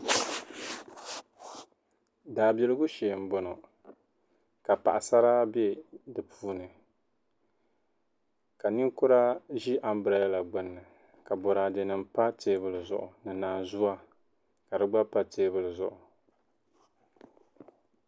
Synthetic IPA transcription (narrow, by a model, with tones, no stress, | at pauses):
daː˨be˦lɨ˦ɡu˦ʃɛ˨m̩˦bɔ˨no˨ | ka˨pa̰˨ʔa˨sa˦ɾa˦be˦dɨ˨pʰuː˦nɨ˨ | ka˨ni˦ŋkʊ˦ɾa˦ʒi˦ʔa˦m˦bɨ˨ɾa˨ja˦la˨ɡ͡bɨ˦nːɨ˨ | ka˨bɔ˨ɾa˨dɛ˨nɨ˨mpa˦teː˦bɨ˦lɨ˨zʊ̰˨ʔʊ˨nɨ˨naː˨zu˦a˦ | ka˨dɨ˦ɡ͡ba˦pa˦teː˦bɨ˦lɨ˨zʊ̰˨ʔʊ˨